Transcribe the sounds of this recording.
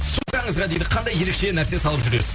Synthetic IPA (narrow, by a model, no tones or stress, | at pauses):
sukɑɴəzʁɑd̪e̞jd̪ɪqʰɑnd̪ɑje̞ɾekʃe̞næɾse̞sɑlˠəpʒʏɾe̞sɪ